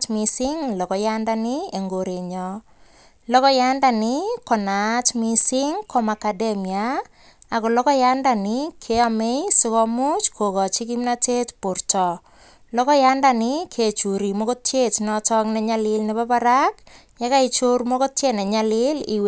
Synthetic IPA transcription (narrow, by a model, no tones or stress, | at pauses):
tmisiŋlɔkɔjandanieŋɡoɾeɲɔ | lɔkɔjandanikɔnatmisiŋkʰomakademia | akolɔkɔjandanikʰeamejsikɔmut͡ʃkʰokɔt͡ʃikimnatetpuɾtɔ | lɔkɔjandanikʰet͡ʃuɾimokotjetnɔtɔknɛɲalɪlnepapaɾak | jakait͡ʃormokotjenɛɲalɪlḭwe